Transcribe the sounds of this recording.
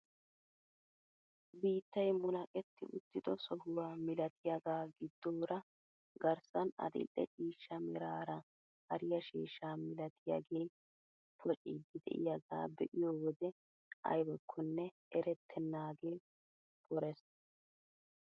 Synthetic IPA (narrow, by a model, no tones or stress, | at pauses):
biːt̪ːɐjmʊnɐkʼɛt̪ːɪʔʊt̪ːɪd̪ɔsɔhʊwaːmɪlɐt̪ʰɪjɐɡaːɡɪd̪ːoːɾɐ | ɡɐɾsɐnɐ̰d̪ɪ̰lʔːɛ̰t͡ʃʼiːʃːɐmɪɾaːɾɐ | hɐɾɪjɐʃiːʃːaːmɪlɐt̪ʰɪjɐ̰ɡe̞ːj | pʰɔt͡ʃʼid̪ɪd̪ɛ̰ʔɪ̰jɐɡa̰ːbɛʔɪjoːwɔd̪ɛ | ɐ̰jbɔkʰːɔnːɛ | ɛɾɛt̪ʰːɛnːaːɡe̞ː | pɔɾɛs